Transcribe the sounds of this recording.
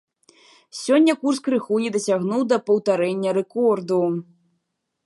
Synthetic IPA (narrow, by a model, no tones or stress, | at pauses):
sʲɔnʲːɐkurskɾɨxujid̪ɐsʲaɣnuwd̪ɐpɐwt̪aɾɛnʲːɐɾɛkɔrd̪u